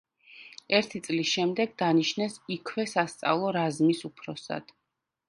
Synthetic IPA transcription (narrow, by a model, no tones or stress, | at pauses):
ɛɾt̪ʰit̪sʼlisʃɛmd̪ɛɡd̪aniʃnɛsikʰvɛsast̪sʼa̰vlˠɔɾazmisupʰɾɔsa̰d̪̥